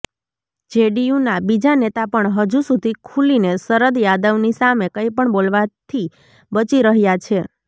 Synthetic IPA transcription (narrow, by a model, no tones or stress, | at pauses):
d͡ʒeɖijũnabid͡ʒanet̪apəɳɦəd͡ʒusud̪ʱikʰulinesəɾəd̪jad̪əʋnisamekəipəɳbolʋat̪ʰi | bət͡ʃiɾəɦjat͡ʃʰe